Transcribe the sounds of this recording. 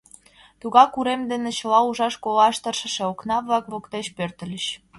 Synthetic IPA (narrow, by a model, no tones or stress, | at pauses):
t̪uɣɑkuɾemd̪enĕt͡ɕə̆lɑuʒɑʃkolɑʃt̪ə̆rʃə̆ʃĕoknɑβlɑkβokt̪eɕpørt̪ə̆lʲəɕ